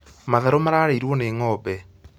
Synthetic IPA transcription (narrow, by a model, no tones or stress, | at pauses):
maðaɾomaɾaːɾeiɾwɔneːŋɔːbɛ